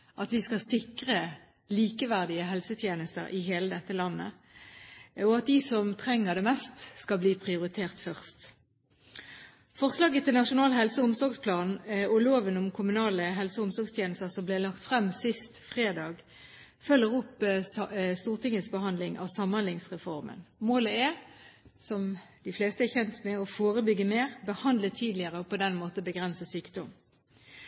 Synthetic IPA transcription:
ʔɑt̪ʋɪskɑsɪkʁə | liːkəʋæʁd̪ɪəɦɛlsət̪ʰjeːnəst̪ə̰ʁɪɦeːləd̪ɛt̪ːəlɑnːə̰ | ɔɑt̪̚d̪ɪsɔmt̪ʰʁɛŋːəʁd̪ɛmɛst̪skɑlbliːpʰʁɪʊʁɪt̪ʰeːʁt̪fœʁst̪ | fɔʁslɑːɡət̪ʰɪlnɑʂʊnɑːlɦɛlsəʊmsɔʁɡspʰlɑːnnɔloːʋənʊmkʰʊmʉnɑːləɦɛlsəʊmsɔʁɡst̪ʰjeːnəst̪əʁsɔmblɛlɑkt̪fʁɛmːsɪst̪fʁeːd̪ɑːɡ | fœlːəʁʊpː | st̪uːʁt̪ʰɪŋːəsbəɦɑnd̪lɪŋʔɑ̰ːʋsɑmːhɑnlɪŋsʁɛfɔʁmə̰nmoːləɛ | sɔmd̪̥ɪfleːst̪əɛçɛnt̪mɛɔfoːʁəbʏɡːəmeːʁbəhɑnd̪lət̪ʰiːd̪lɪəʁəɔpɔd̪ɛnmoːt̪əɔbəɡʁɛnsəsyːkd̪ɔm

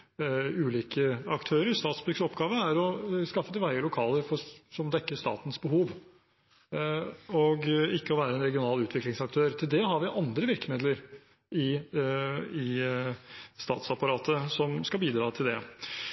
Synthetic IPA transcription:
ʉːliːkəɑkt̪ʰøːɾəɾst̪ɑːt̪sbʉɾɡsɔpɡɑːʋəæɾɔskɑfːət̪ɪʋæɪəlʊkʰɑːləɾfɔsɔmd̪ɛkːəʂt̪ɑ̰ːt̪ən̩sbəɦuːʋ | ɔɡɪkːəɔʋæːɾəɛnɾɛɡɪʊnɑːlʉːt̪ʋɪklɪŋsɑk̚t̪ʰøːɾt̪ʰɪld̪ɛɦɑɾʋɪʔɑnd̪ɾəʋɪɾkəmɪd̪ləɾ | ɪ | ɪ | st̪ɑ̰ːt̪sɑpɑɾɑːt̪əsɔmskɑlbiːd̪ɾɑːt̪ʰɪld̪ɛ̰

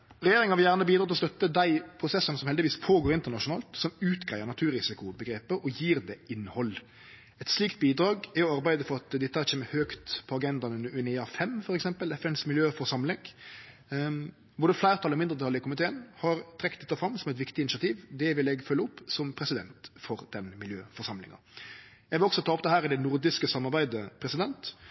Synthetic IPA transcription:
ɾɛɪjeːɾɪŋhɑɾʋɪjæːʁnəbiːd̪ɾɑt̪lɔst̪œt̪ːəd̪æɪpʰɾʊsɛsːənəsɔmhɛld̪ɪʋiːspʰoːɡoːɾɪnt̪əɾnɑʂʊnɑ̰ːlt̪sɔmʉːt̪ɡɾæɪəɾnɑt̪ʰʉːɾɪsɪkʊbəɡɾeːpəʔɔjiːɾd̪ɛːɪnhɔl | ɛt̪sliːkt̪̚biːd̪ɾɑːɡɛɔɑɾbæɪd̪əfɔɾɑt̪d̪ɪt̪ːəhæɾçʰeːməhøːkt̪pʰɔɑɡɛnd̪ɑnʉnəʉnɪɑːfɛmfɔɾɛksɛmpəlɛfɛnsmɪljøːfɔɾsɑmlɪŋ | bʊd̪əflæɪɾt̪ʰɑlɔmɪnd̪ɾət̪ʰɑləɪkʊmɪt̪ʰeːənhɑɾt̪ʰɾɛkːt̪d̪ɛt̪ːəfɾɑmːsɔmɛt̪ʋɪkt̪ɪnɪsɪɑt̪ʰiːʋd̪ɛʋɪlɛɡfœlːəɔpːsɔmpʰɾɛsɪd̪ɛnt̪fɔɾd̪̥ɛnmɪljøːfɔɾʂɑmlɪ̰ŋɑ̰ | jæɡʋɪlɔksɔt̪ʰɑːɔp̚d̪ɛhæːɾɪd̪ɛnʊɾd̪ɪskəsɑmːɑɾbæɪd̪əpʰɾɛsɪd̪ɛnt̪

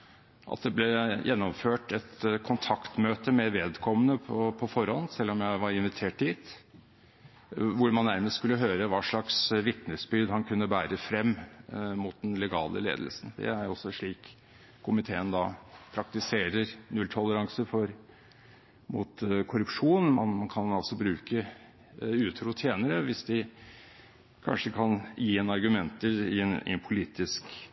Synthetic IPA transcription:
ʔɑ̰t̪̚d̪ɛblɛjʔɛnːɔmføːʈɛt̪kʰʊnt̪ʰɑkt̪møːt̪əmɛʋeːd̪kʰɔmːənəpʰɔpʰɔfɔɾhɔnːsɛlːɔmjæɪʋɑɾɪnʋɪt̪ʰeːʈɪt̪ | ʋʊɾmɑnːæɾməst̪skʉlːəɦøːɾəʋɑːʂɭɑksʋɪt̪nəsbʏɾd̪hɑnkʰʉnːəbæːɾəfɾɛmːmʊt̪̚d̪ɛnlɛɡɑ̰ːlə̰lḛːd̪əlsn̩d̪ɛ̰æjɔsːɔʂɭiːk | kʰːʊmɪt̪ʰeːənd̪ɑpʰɾɑk̚t̪ɪseːɾəɾnʉlt̪ʰɔləɾɑŋsəfɔɾ | mʊ̰t̪kʰʊɾʉpʂuːnmɑnmɑnkʰɑnɑlsɔbɾʉːkə | ʉːt̪ʰɾuːt̪ʰjeːnəɾəʋɪsd̪ɪ | kʰɑ̰nʂəkʰɑnjiːɛnɑɾɡʉmɛnt̪əɪɛnɪ̰ɛnpʰʊliːt̪ɪsk

